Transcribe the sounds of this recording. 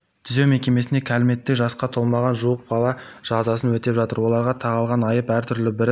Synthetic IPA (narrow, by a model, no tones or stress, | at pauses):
t̪ʰʏze̞wme̞kʲe̞me̞sɪne̞kʲʰælɪme̞t̪ːeʒɑsqɑt̪ʰo̞lˠmɑʁɑnʒuwəq̚bɑlˠɑʒ̥ɑzɑsənwɵt̪e̞pʒɑt̪əɾwo̞lˠɑɾʁɑt̪ʰɑʁɑlˠʁɑnɑjəpæɾt̪ʰʏɾlɪbɪɾ